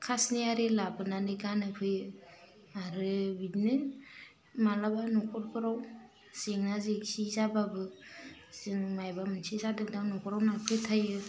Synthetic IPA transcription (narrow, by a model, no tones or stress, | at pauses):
kʰasniaɾelabɯnanɯɡanɯpʰɯjɯ | aɾɯbidnɯ | malabanɔkʰɔɾpʰɯɾaw | seŋnazeksizababɯsiŋmajbamɯnsizadɯŋdaŋnɔkɔɾawnapʰɯjtʰajɯ